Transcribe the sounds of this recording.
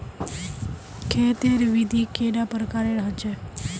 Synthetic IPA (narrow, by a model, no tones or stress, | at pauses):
kʰet̪eɾʋid̪ʱikeɖapəɾkaɾeɽɦət͡ʃʰe